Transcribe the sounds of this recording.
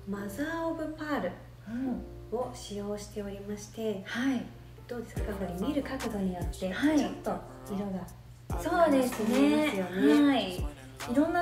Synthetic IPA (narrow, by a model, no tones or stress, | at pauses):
mazaːobɯ̟paːɾɯ̟ | ɯ | o̞ɕijo̞ːɕi̥t̪e̞o̞ɾʲimaɕi̥t̪e̞hai | d̪̥o̞ːd̪e̞skaɡoɾʲimʲiɾɯ̟kakɯ̟d̪o̞ɲ̟ijo̞t̪ːe̞hait͡ɕo̞t̪ːo̞ | iɾo̞ɡa | soːd̪e̞sɨneesɨjo̞neai | iɾõ̞nːa